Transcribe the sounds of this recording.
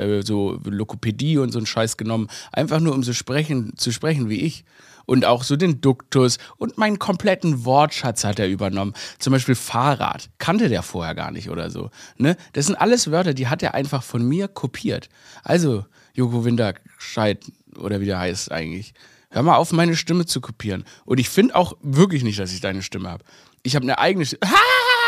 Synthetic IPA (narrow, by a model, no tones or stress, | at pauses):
ʔɛ̰ːzoːlokopʰediːʊntz̥oːnʃaɪsɡ̥ənɔmənʔa̰ɪnfaχnuːɐʊmzoːʃpʁ̥ɛçn̩t͡suʃpʁ̥ɛçn̩viːʔɪç | ʔʊntaʊxz̥oːdeːndʊktʊsʔʊntmaɪnənkʰɔmpl̥ɛtn̩vɔɐtʃat͡shateːɐʔyːbɐnɔmənt͡sʊmbaɪʃpiːlfaːʁa̰ːtkʰantədeːɐfoːɐheːɐɡa̰ːɐnɪ̰çtʔo̰ːdɐ̰zo̰ːnəd̥asz̥ɪntʔaləsv̥œɐtɐdiːɦatdeːɐʔa̰ɪnfaχfɔnmiːɐkʰopʰiːɐt | ʔa̰lzo | jokovɪndɐʃaɪt | ʔo̰ːɾɐviːdahaɪstsʔa̰ɪɡŋ̩tlɪç | høːɐmalʔaʊfmaɪnəʃtɪmət͡sukʰopʰiːʁ̞ənʔʊntɪçfɪndəʔa̰ʊxvɪɐk̬lɪçnɪçtd̥asɪçd̥aɪnəʃtɪməha̰ːbə | ʔɪçhaːbnəʔa̰ɪɡənəʃha